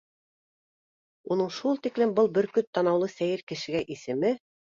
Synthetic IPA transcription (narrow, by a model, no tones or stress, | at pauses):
unɤɴʃulˠt̪iklɘmbɤlˠbɘ̆ɾkɵt̪ːɑnɑwlˠɤsæjɘɾkɘ̆ʃɘ̆ɡæʔisɘ̆mɘ